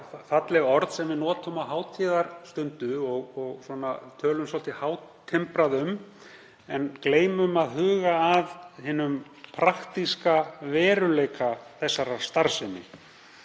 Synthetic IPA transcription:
fat̪lɛɣɔɾðsɛmvɪðnɔːt̪ʏmawɦaːwt̪ʰiːðaɾ̥st̪ʏnt̪ʏɔɣɔɣsɔːnat̪ʰœːlʏmsɔlt̪ɪhaːw̪ʰ | ɪmpɾaðʏm | ɛnkleːjmʏmaðɦʏːɣaːðhɪːnʏm | pʰɾaxt̪iskavɛːɾʏleːjkaθɛsːaɾḁst̪aɾsɪnːɪ̰

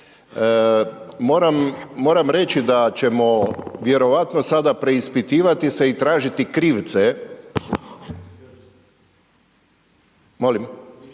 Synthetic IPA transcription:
mo̞ːɾamːo̞ːɾamɾet͡ɕid̪at͡ɕe̞mo̞ʋjeɾo̞ʋat̪nosad̪apɾe̞ispit̪iːʋat̪ise̞it̪ɾaːʒit̪ikɾiːʋt̪se | molim

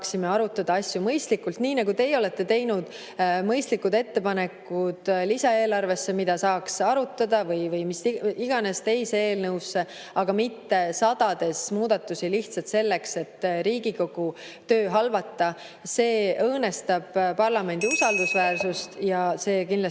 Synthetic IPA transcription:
ksime̞ɑɾut̪ːˑɑd̪̥ɑɑsʲjumɤjst̪likːult̪niːnɑɡut̪e̞jo̞le̞t̪ːe̞t̪e̞jnud̪̥ | mɤjst̪likːud̪e̞t̪ːe̞pɑne̞kːˑud̪̥lisɑe̞ːlɑrve̞sːe̞mid̪̥ɑsɑːksɑɾut̪ːˑɑd̪̥ɑvɤjvɤjmisiɡ̥ɑne̞st̪e̞jsee̞ːlnɤwsːe̞ | ɑɡ̥ɑmit̪ːe̞sɑd̪ɑd̪̥e̞smuːd̪̥ɑt̪ːˑusiliht̪sɑt̪se̞lːe̞kse̞t̪ːɾiːɡiko̞ɡ̥u | t̪ø̞ːɦɑlvɑt̪ːɑ | se̞ːɤːne̞st̪ɑb̥pɑrlɑme̞nd̪̥iusɑld̪̥usvæːrsust̪jɑse̞ːkinlɑ

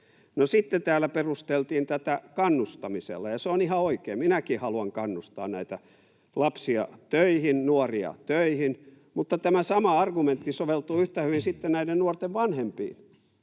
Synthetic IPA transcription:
nosit̪ːet̪æːlːˑæperust̪elt̪iːnt̪æt̪ækɑnːust̪ɑmisḛlːɑjɑseonihɑoikeːminækihɑluɑŋkɑnːust̪ɑ̰ːnnæit̪æ | lɑpsiɑ̰t̪øihinnuoriɑ̰t̪øihin | mut̪ːɑt̪æmæsɑmɑɑrɡument̪ːisoʋelt̪uːyht̪æhyʋinsit̪ːennæidennuort̪eʋʋɑnhempḭːn

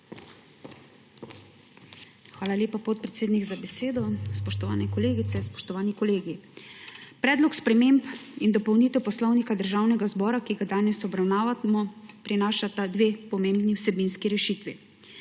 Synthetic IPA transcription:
xʋaːlalʲjeːpapɔt̪̚pɾɛt̪seːd̪niɡzabɛseːd̪ɔspɔʃt̪ɔʋa̰ːnɛkɔleːɡit̪sɛspɔ̥ʃt̪ɔʋaːnikɔleːɡi | pɾɛːd̪lɔkspɾɛmempind̪ɔpɔwniːt̪ɛwpɔslɔwnikad̪əɾʒaːwnɛɡazbɔːɾakiɡad̪aːnɛsɔbɾawnaːʋamɔpɾinaːʃat̪ad̪ʋeːpɔmẽmbniwsɛbinskiɾɛʃit̪ʋḭ

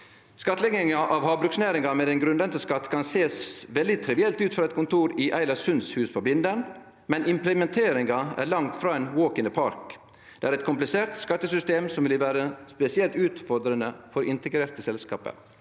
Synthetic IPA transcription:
skɑt̪ːəlɛɡɪŋɑʔɑʋhɑːbɾʉksnæːɾɪŋɑmɛd̪ɛnɡɾʉnd̪ənt̪əskɑt̪ːkʰɑnseːsʋɛld̪ɪt̪ʰɾɪʋɪɛlt̪ʉːt̪fɾɑːɛt̪̚kʰʊnt̪uːɾiʔæɪlɑshʉnshʉːspʰoːbɪnd̪ən | mɛnɪmplɛmɛnt̪ʰeːɾɪŋɑæ̰ɾɭɑŋt̪fɾɑːɛnwoːkənəpʰɑɾk | d̪̥ɛæːɾɛt̪kʰʊmplɪseːɾt̪skɑt̪ːəsʏst̪eːmsɔmʋɪlʋæːɾəspɛsɪɛlt̪ʉːt̪fɔɾd̪ɾənəfɔɾʔɪnt̪əɡɾeːɾt̪əsɛlskɑ̰ːpə̰ɾ

